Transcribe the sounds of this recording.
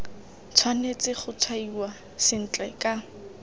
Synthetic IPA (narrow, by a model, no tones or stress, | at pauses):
t͡sʰwanet͡sɪχʊt͡sʰwaiwa | sɪn̩t͡ɬʼɛkʼa